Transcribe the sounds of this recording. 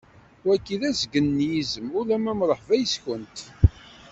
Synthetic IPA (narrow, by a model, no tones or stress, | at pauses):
wækːiðæzɡənːjizəmʊlæmæmɾˤəħvæjəsçənt̪